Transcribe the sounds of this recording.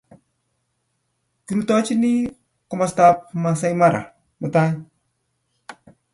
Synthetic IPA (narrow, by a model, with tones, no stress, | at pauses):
ki˨ɾut̪ɔ˦t͡ʃi˦ni˦ | kɔ˦mast̪a˧p̚ma˨s̬a˧jma˦ɾa̰˨ | mut̪a˦j